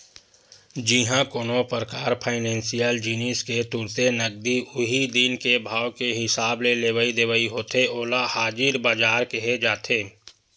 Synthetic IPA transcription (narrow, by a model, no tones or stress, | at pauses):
d͡ʒiɦãkoːnopəɾəkaːɾpʰaːɪnɛ̃ːnsijəld͡ʒinisket̪ʊɾt̪enɐɡ̚d̪iʊɦid̪inkebʱaːwkeɦɪsaːbleleːʋəid̪eːʋəiɦoːt̪eoːlahaːd͡ʒɪɾbaːd͡ʒaːɾkeɦed͡ʒaːt̪ʰeː